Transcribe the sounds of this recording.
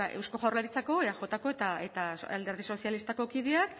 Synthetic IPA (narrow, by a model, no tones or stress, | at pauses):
aʔe̞̰wsko̞ʝawrlaɾit͡sako̞eaʝo̞t̪ako̞et̪ae̞t̪aa̰ld̪e̞ɾð̞iso̞sialist̪ako̞kið̞eak